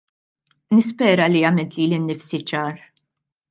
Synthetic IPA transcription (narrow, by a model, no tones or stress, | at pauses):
nɪspɛːɾɐliɐmɪnt̪liːlɪnːɪfsit͡ʃɐːɾ